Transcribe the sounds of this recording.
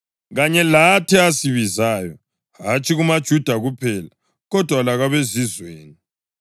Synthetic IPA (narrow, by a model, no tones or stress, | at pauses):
ɣaɲɛlatʰiasiβizaːjɔ | ɦat͡ʃʰʼiɣumad̥ʒ̥ʱud̥ʱaɣupʰɛla | ɣɔd̥ʱwalaɣaβezizweːni